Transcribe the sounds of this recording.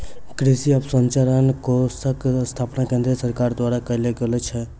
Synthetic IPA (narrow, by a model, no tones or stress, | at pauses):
kɾɪsiɐbsəɲt͡ʃaɾənkosəkst̪ʰaːpnakẽːnd̪ɾesəɾkaːɾd̪waːɾakəleɡelet͡ʃʰɛ